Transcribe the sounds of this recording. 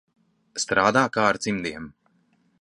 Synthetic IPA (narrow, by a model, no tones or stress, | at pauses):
st̪ɾaːd̪aːkaːaɾt̪simd̪iɛm